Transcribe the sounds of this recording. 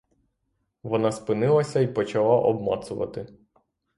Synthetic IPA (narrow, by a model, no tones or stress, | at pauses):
ʋɔnɑspɪnɪlˠɐsʲɐipɔt͡ʃɐlˠɑʔɔbmɑ̰t̪sʊʋɐ̰t̪ɪ